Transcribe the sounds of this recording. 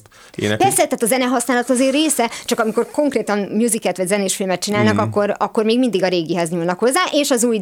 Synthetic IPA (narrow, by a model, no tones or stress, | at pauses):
pɛrsɛt̪aːt̪ɒzɛnɛɦɒsnaːlɒt̪ɒzeːreːsɛt͡ʃɒkɒmiko̞rko̞ŋkreːt̪ɒmmjuzikɛt̪ʋɒɟzɛneːʃfilmɛt̪̚t͡ʃinaːlnɒkɒkːo̞ɾɒkːo̞rmeːɡmind̪iɡɒɾeːɡiɦɛzɲuːlnɒkho̞zːaːʔeːʃɒzuːj